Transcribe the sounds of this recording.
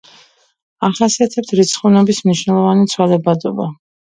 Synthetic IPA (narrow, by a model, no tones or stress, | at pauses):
aχasiat̪ʰɛp̚t̪ʰɾit̪sʰχunɛbismniʃwnɛlˠɔvanit̪sʰwalɛbad̪ɔba